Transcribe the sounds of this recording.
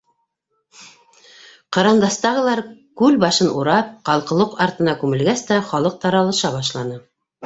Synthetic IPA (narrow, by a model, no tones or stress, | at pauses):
qɑɾɑnd̪ɑst̪ɑʁɤ̆lˠɑɾkʉlbɑʃɤnʔuɾɑp̚qɑlˠqɤ̆lˠɤqɑɾt̪ɤ̆nɑkʉmɘ̆lɡæst̪æχɑlˠɤq̚t̪ɑɾɑlˠɤ̆ʃɑβɑʃlˠɑnɤ